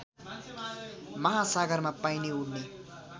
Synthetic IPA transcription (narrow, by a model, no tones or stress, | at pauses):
mʌɦasaɡʌɾmapaineuɽne